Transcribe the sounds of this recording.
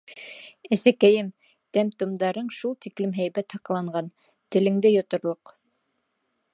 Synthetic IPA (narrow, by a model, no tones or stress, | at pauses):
æsækæjɘm | t̪æmt̪ŏmd̪ɑɾɤɴʃulˠt̪iklɘmɦæjβæt̪hɑqɑlˠɑɴɢɑn | t̪ɘ̆lɘ̆ŋd̪ɘjŏt̪ŏɾlˠoq